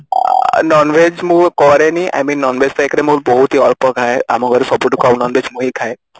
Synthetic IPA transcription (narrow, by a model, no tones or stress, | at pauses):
nɔnʋed͡ʒmũkɔɾɛniʔa̰jmĩnːɔnʋed͡ʒt̪ɔekɾɛmuɾbɔɦut̪iɔɾpɔkʰaea̰mɔɡɔɾesɔbuʈukawnɔnʋed͡ʒmũɦikʰae